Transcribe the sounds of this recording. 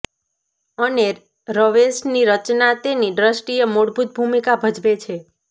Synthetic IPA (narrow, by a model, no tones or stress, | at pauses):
əneɾ | ɾəʋesʈniɾət͡ʃnat̪eniɖɾəsʈijəmoɽbʱut̪̚bʱumikabʱəd͡ʒʋet͡ʃʰe